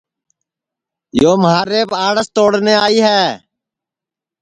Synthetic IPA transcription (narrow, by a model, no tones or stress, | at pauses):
joːmɦaːɾeːpãːɽəst̪oːɽneːaːiːɦɛː